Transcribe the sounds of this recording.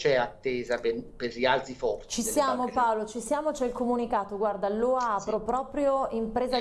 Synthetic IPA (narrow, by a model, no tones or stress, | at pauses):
t͡ʃɛat̪ːeːzapeperlialt̪ifɔrt͡ʃisjaːmopaolot͡ʃisjaːmot͡ʃɛilkomunikaːt̪oɡward̪alːoapɾopɾɔːpɾjoimpɾeːza